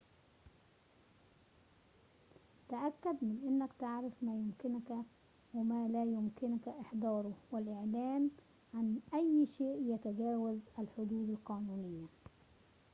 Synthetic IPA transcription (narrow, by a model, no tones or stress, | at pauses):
t̪aʔakːad̪mɪnʔɪnːakt̪ɪʕɾɪfmæːjʊmkɪnk | wɪmæːlæːjʊmkɪnkʔɪħd̪ɑːɾˤʊwɪlʔɪʕlæːn | ʕanʔæjːʃeːʔjæt̪aɡæːwazælħʊd̪uːd̪alqɑːnuːnɪjːa